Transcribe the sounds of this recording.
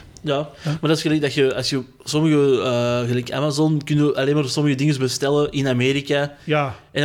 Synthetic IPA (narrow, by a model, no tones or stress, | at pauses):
jaːmardɑtɪsɣəlɛjɡ̚dɑxjəɑ̰lˠsjə | sɔməɣəəːɣəlɛjkəa̰mazɔnkʏnəʔaleːnmaːrsɔməɣədɪŋəzbəstɛləʔɪnameːɾika | ɛn